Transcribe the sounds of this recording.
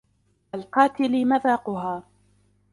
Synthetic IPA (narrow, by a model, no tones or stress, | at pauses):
ʔalqɑːt̪ɪlɪmaðɑːqʊɦaː